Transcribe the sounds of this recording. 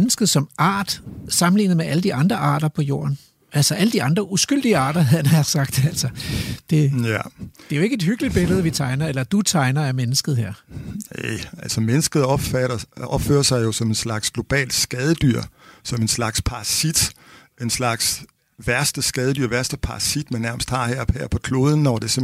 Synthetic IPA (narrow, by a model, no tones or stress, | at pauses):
nəsɡ̥ð̞̩ˠsɒ̽mʔɑ̰̈ːd̥sɑ̈mn̩lḭːnð̩ˠmeʔæləd̥iʔɑ̈nd̥ʁɐʔɑ̰̈ːd̥ɐpʰɒ̽jo̝̰ːɐn | ælsɒʔæləd̥iɑ̈nd̥ʁɐʔusɡ̥yl̰d̥iəɑ̰̈ːd̥ɐɦænɐsɑ̈ɡ̥̚d̥æl̰sɒd̥e̝æd̥e̝æjo̝e̝ɡ̥əe̝d̥hyɡ̥əlid̥̚b̥e̝ləð̞̩ˠʋit͡sʰɑ̈ɪnɐelɐd̥ut͡sʰɑ̈ɪnɐæɐmenəsɡ̥ð̩ˠheɐ̰eælsɒmenəsɡ̥ð̞̩̥ˠfɾɐɒb̥fø̰ːɐsɑ̈ɪjo̝sɒ̽me̝nslɑ̈ɡ̥sɡ̥lo̝b̥ɛ̰ːlsɡ̥ɛð̞ˠəd̥yɐ̰sɒ̽me̝nslɑ̈ɡ̥spʰɑ̈ɑsid̥ | e̝nslɑ̈ɡ̥s | ʋæɐsd̥əsɡ̥ɛːð̞ˠəd̥yɐ̰ʋæɐsd̥əpʰɑ̈ɑsid̥mænːæɐməsd̥hɑ̈hæɐ̰bhæɐ̰pʰɒ̽kʰlo̝ːð̞ˠn̩ːɒd̥e̝se